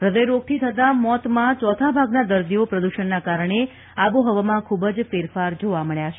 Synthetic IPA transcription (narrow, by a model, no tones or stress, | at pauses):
ɾəd̪əjɾoɡ̚t̪ʰit̪ʰət̪amɔt̪mãt͡ʃɔt̪ʰabʱaɡnad̪əɾd̪iopɾəd̪uʃənːakaɾəɳ̃e | aʋoɦəʋamãkʰubəd͡ʒfeɾfaɾd͡ʒoʋaməɭjat͡ʃʰe